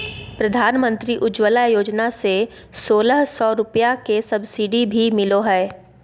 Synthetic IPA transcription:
pɾɐd̪ʱaːnmə̃nt̪ɾiʔʊd͡ʒwəlajoːd͡ʒnase | soːləɦsɔːɾʊpjakesɐbsiɖibʱimɪloɦɛː

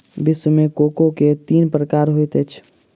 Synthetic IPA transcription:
biswəmekokoket̪iːnpɾəkaɾɦojt̪ət͡ʃʰ

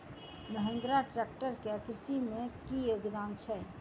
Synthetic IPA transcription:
məɦə̃ŋɡ̪ɾaʈɾek̚ʈəɾkeəkɾɪsimẽkijoɡd̪aːmt͡ʃʰɛ

